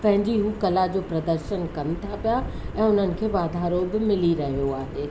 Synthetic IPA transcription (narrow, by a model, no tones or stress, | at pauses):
pɐ̃ɦɪ̃ɲd͡ʑiɦuːkɐlad͡ʑoːpɾɐd̪əɾʃənkɐnɪ̆t̪ʰapijaɛ̃ːʊn̤ənɪ̆kʰeːʋaːd̪ʱaːɾobɪmɪliɾɐɦijoaːɦeː